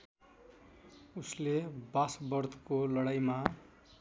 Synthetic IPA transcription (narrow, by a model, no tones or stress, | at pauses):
uslebasbʌrd̪ʱkolʌɽajma